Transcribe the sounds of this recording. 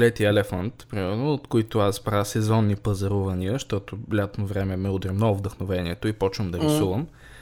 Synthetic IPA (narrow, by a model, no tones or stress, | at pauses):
lɛt̪iɛlɛfant̪pɾimɛlnoot̪koit̪ʊasbɾasɛzɔnːipəzɐɾuvɐniəʃt̪ɔt̪olʲat̪novɾɛmɛmɛʊd̪ɾʲimnɔvd̪əxnovɛniɛt̪oipɔt͡ʃvəmd̪ɐɾisuvəm